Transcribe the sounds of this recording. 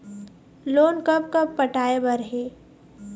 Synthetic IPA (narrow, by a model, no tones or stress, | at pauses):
loːnkəp̚kɐpːəʈaːebəɾɦeː